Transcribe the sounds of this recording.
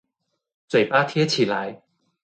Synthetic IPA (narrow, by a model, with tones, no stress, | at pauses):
t͡swe˨˩paː˥t̪ʰjɛ˥t͡ɕʰi˨˩la˨˧˦j